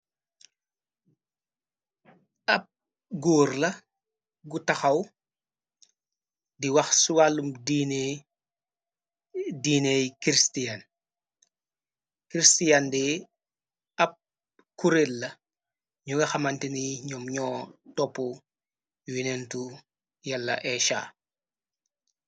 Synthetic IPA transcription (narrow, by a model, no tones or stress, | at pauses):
ɐp̚ | ɡuːɾlɐ | ɡutɐxɐw | diwɐxsuwalːumdin | diːnejkɾistian | kɾistijandɛ | ɐp̚ | kuɾelːɐ | ɲuɡɐxɐmantiniɲɔmɲɔːdɔpːɔ | winentu | jalːɐ̰ʔɛʃa̰ː